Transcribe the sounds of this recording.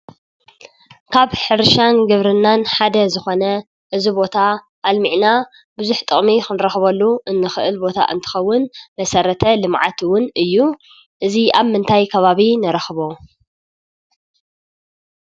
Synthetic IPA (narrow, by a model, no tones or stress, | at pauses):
kʰaβħɨɾʃanɡɨβɾɨnːanħad̪ɐzɨxo̞nɐ | ʔɨzibo̞t̪ʰaː | lmiʕna | bʊzuħt̪ʼɨχʼmixɨnɨɾɐxβɐlːuʔɨnːɨxɨʔɨlbo̞t̪ʰa̰ʔɨ̰nt̪ʰɨ̥xɐwːʊnmɐsɐɾɐt̪ʰɐlɨmʕa̰t̪ʰwʊnɨjːu | ʔɨziaβmɨnt̪ʰajkʰɐβaβinɐɾɐxβo